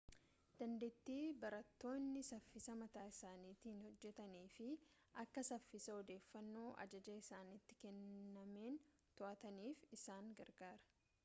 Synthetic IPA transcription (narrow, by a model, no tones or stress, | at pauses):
d̪̥ɐnd̪eːt̪ːiːbɐɾɐt̪ːo̞ːnːɪsɐfːɪsɐmɐt̪aːɪsaːniːt̪iːnhɔd͡ʒːɛt̪ɐniːfɪ | ʔɐkːɐsɐfːɪsɐɔd̪e̞ːfːɐnːo̞ːʔɐ̰d͡ʒɐd͡ʒɐɪsaːnɪt̪ːɪ̥kɛnːɐmeːn | t̪ɔʔɐt̪ɐniːfɪsaːŋɡɐɾɡaːɾɐ̥